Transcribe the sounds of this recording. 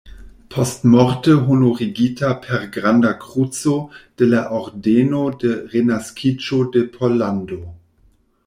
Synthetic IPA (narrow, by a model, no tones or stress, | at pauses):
pʰɔstmɔʁtəɦunoʁiɡiːtʰapʰɛʁɡʁandakʁ̥ut͡sod̥əlaʔɔʁdeːnodəʁenaskʰit͡ʃodəpʰɔlando